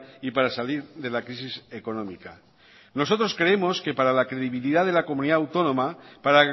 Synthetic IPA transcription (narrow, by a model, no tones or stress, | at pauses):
ipaɾasaliɾðe̞lakɾisisekonomika | no̞sot̪ɾoskɾeemo̞ske̞paɾalakɾeðiβiliðaðe̞lakomuniðaawt̪o̞nõmapaɾa